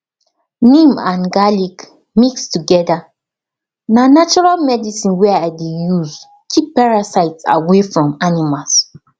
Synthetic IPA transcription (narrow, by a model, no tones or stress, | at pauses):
nĩmã̰nɡalik | mikstuɡɛda | nanat͡ʃɔɹalmɛdisĩnwɛaɪdejuz | kʰippaɹasaɪtsa̰wefɹɔ̃manimals